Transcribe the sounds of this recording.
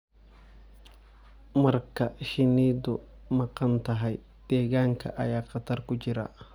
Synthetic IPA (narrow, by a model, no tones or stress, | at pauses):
mɐrkɐʃɪniːd̪ɔ | mɐqɐnt̪ɐɦɐj | d̪̥ɛːɣaːŋkʰɐ̰ʔɐ̰jaːqɐt̪ɐrkʊt͡ʃɪɾa̰